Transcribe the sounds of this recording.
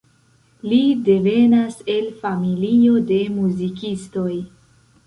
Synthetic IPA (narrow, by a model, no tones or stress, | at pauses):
lide̞ve̞nase̞lfamilio̞de̞muzikisto̞j